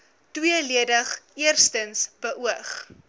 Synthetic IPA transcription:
twiəliədəχiərstənsb̥əʔuəχ

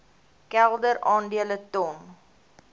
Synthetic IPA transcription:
kɛlˠdəɾɑːndiələtɔn

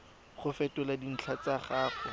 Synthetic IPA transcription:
χʊfɛtʊladin̩t͡ɬʰat͡saχaːχʊ

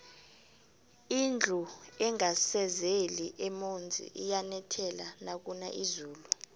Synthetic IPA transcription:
ind͡ɮʱuɛŋasɛzeliʔɛmond͡zʱḭʔijanɛtʰɛlanak̬una̰ʔizuːlu

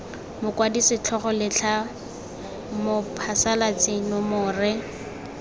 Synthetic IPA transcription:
mʊkwadisɪt͡ɬʰɔχɔlɪt͡ɬʰa | mʊpʰasalat͡sɪnʊmʊːrɪ

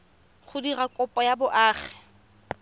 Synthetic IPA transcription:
χʊdirakʼʊpʼɔjabʊʔaːχɛ̥

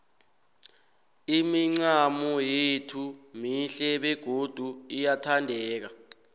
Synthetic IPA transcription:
imiŋ͡ǀamɔjetʰumiɬɛɓɛɡ̥ʱod̥ʱuijatʰandʱɛːk̬a

